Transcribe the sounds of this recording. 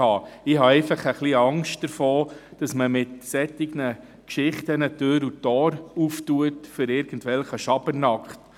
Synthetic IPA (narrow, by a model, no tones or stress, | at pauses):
ɑːɪɦɑɛɪfɑχəχliɑŋʃtd̥əɾfɔːd̥ɑsməmɪtsɛtːɪɡnə | kʃɪχtənətøːɾutɔːɾuftuətfʏɾɪːɾɡ̥ən̩tʋɛlχəʃɑbənɑkχt